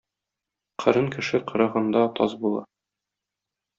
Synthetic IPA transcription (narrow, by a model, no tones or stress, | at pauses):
qʰɤ̆ɾɤŋkɘ̆ʃɘqɤ̆ɾɤ̆ʁɤ̆nd̪ɑt̪ɒzbulˠɑ̰